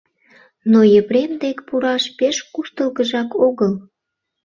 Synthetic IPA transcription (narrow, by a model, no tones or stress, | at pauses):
nojəpɾemd̪ekpuɾɑʃpeʃkuʃt̪əlɣəʒɑkoɣəl